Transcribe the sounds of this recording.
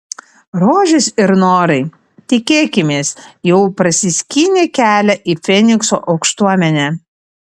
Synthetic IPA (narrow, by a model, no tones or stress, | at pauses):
ɾoːʒʲɪsɪɾnoːɾɐɪ | t̪ʲɪkʲeːkʲɪmʲeːsjɛʊpɾɐsʲɪsʲkʲiːnʲeːkʲæːlʲɛʔiːfʲɛnʲɪkso̰ːʔɒʊkʃt̪uɔmʲɛnʲæ